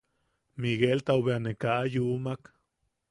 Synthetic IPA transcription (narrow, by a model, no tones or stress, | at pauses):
miɣelt̪aoβeanekaʔːjumak